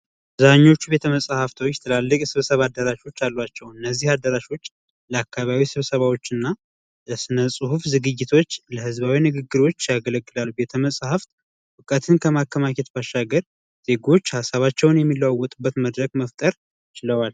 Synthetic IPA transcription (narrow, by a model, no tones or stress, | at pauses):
zaɲːo̞t͡ʃːube̞t̪ʰəməsʼhaft̪ʰot͡ʃːɛt̪ʰəlalːəkʼsɨβsəβad̪ːəɾaʃo̞t͡ʃːalːwat͡ʃːɛwɨnːəzːihad̪əɾaʃo̞t͡ʃː | ləakʰːaβaβisɨβsəβawo̞t͡ʃːɨnːa | əsɨnəsʼuhufzɨɡɨd͡ʒːɪt̪ʰo̞t͡ʃːləhɨzβawinɨɡɨɡːɨɾo̞t͡ʃːjaɡələɡːɨlalːube̞t̪ʰəməsʼhaft̪ | wɨkʼət̪ʰɨnkʰəmakːəmaket̪baʃːaɡəɾ | z̥e̞ɡo̞t͡ʃːhasaβat͡ʃːɛwnjɛmːilːawwːɔt̪ʼɨbːət̪məd̪ɾəɡməft̪ʼəɾ | t͡ʃɪləwal